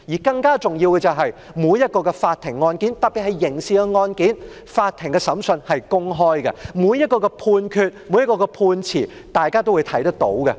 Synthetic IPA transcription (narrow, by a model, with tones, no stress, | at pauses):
jiː˨˩kɐ˧ŋkaː˥t͡sʊ˨ŋjiː˧wkɛ˧t͡sɐ˨wɦɐ˨j | muː˨˧jɐ˥t̚kɔː˧kɛ˧faː˧t̪ʰɪ˨˩ŋːɔː˧nkiː˨˥nt̪ɐ˨t̚pːi˨t̚hɐ˨˩jɪ˨˩ŋsiː˨kɛ˧ŋɔː˧nkiː˨˥n | faː˧t̪ʰːɪ˨˩ŋkɛ˧sɐ˨˥msɵ˧nhɐ˨jkʊ˥ŋɦɔː˥jkɐ̰˧muː˨˧˥jːɐ˥t̚kɔː˧kɛ˧pʰuː˧nkʰyː˧t̚muː˨˥jɐ˥t̚kɔː˧kɛ˧pʰuː˧nt͡sʰiː˨˩ | t̪aː˨jkaː˥t̪o˥wu˨˧t̪ʰɐ˨˥jt̪ɐ˥k̚t̪o̰˨˥wɡɐ˧